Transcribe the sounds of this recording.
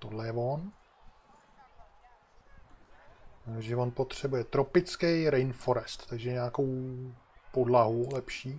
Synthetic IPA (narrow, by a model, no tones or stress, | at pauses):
t̪odlɛjɛvon | ooʒɛvo̞npo̞t̪r̝̥ɛbujɛt̪ɾo̞pɪt͡skɛjɾɛjnfo̞ɾɛst̪t̪aɡʒɛɲaːko̞w | po̞dlaɦulɛpʃiː